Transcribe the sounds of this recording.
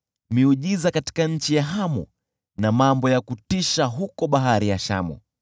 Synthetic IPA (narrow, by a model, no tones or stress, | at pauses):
miuʄizakati̥kaɲ̩t͡ʃijaɦamɔ̰ | namambɔjakutiʃaɦukɔɓaɦaɾijaʃa̰mɔ̰